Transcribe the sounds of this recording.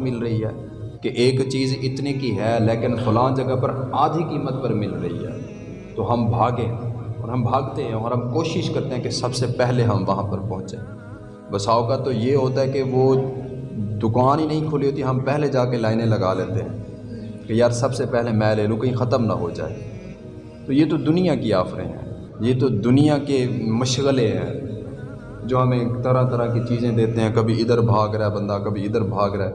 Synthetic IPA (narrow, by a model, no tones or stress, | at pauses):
mɪlɾɐɦiɦɛː | keʔeːkt͡ʃiːzɪt̪nikiɦɛːleːkɪnfʊlãːnd͡ʒɐɡəpɐɾaːd̪ʱikiːmət̪̚pɐɾmɪlɾɐɦḭɦɛ̰ː | t̪oɦɐmbʱaːɡẽɔ̰ːɾɦɐmbʱaːɡt̪eɦɛ̃ɔːɾɦɐmkoːʃɪʃkɐɾt̪eɦɛ̃kesɐbsepɛɦleɦɐmʋɐɦãpɐɾpɐ̃ɦʊ̃t͡ʃẽː | bɐsaːokat̪ojeɦoːt̪aɦɛkeʋoː | d̪ʊkaːninɐɦĩkʰʊliɦoːt̪iɦɐmpɛɦled͡ʒaːkelaːɪnẽlɐɡaleːt̪eɦɛ̃ː | kejaːɾsɐbsepɛɦlemɛ̃ːleːlũkɐɦĩxɐt̪əmna̰ɦo̰d͡ʒa̰ːḛ | t̪ojet̪od̪ʊnijakiaːfɾḛ̃ɦɛ̰̃ː | jet̪od̪ʊnijakemɐʃɣəlẽɦɛ̰̃ː | d͡ʒoːɦɐmẽkt̪ɐɾãt̪ɐɾakit͡ʃiːzẽd̪eːt̪eɦɛ̃kɐbʱiɪd̪əɾbʱaːɡɾɐɛbɐ̃nd̪akɐbʱiɪd̪əɾbʱaːɡɾɐɛː